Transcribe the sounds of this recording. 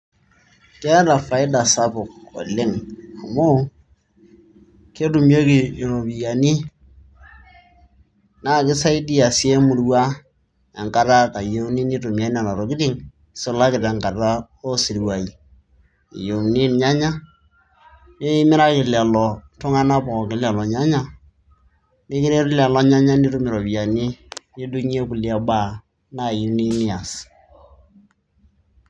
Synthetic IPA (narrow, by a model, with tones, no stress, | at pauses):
kɛ˦ɾa˨fa˨ɪ˦da˨sa˦pʊ˨ko̰˨lɪ˦ŋa˨mʊ˦ | ke˦tu˨mjo˦ki˨ɾo˨bi˨ja˨ni˦ | na˦˨kɪ˦sa˦i˦di˦a˨sje˦mʊ˨ɾwa˦ | ɛ˨ŋka˦ɾa˦ka˨jo˦ni˦ni˦to˨mja˦na˨la˨ɾo˨kɪ˦dɪ˦ŋ | sʊ˦la˦kɪ˨ta˨ŋka˨ra˦ | o˦si˨ɾwa˨i˨ | ḭ˨jo˨ni˦nɲa˦ɲa˦ | nɪ˦mɪ˦ɾa˦kɪ˨la˨lɔ˨tʊ˦ŋa˦na˦pɔ˨kɪ˨˦la˨lɔ˨ɲa˦ɲa˦˨ | nɪ˦kɪ˦ɾe˦ɾla˨lɔ˦ɲa˦ɲa˦ni˦tu˦mɪ˨ɾɔ˨bi˨a˨ni˦ni˦du˦ɲ˦e˦kʊ˨lja˦ba˦˨ | na˦˨ji˨˦ni˦nɪ˦a˨s